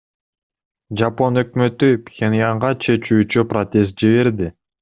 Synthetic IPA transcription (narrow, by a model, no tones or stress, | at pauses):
d͡ʒapo̞nø̞kmø̞t̪ypʲxʲenʲijaɴʁɑt͡ʃʰe̞t͡ʃyːt͡ʃyprot̪ʲe̞s̬t̪̚d͡ʒiβeɾd̪i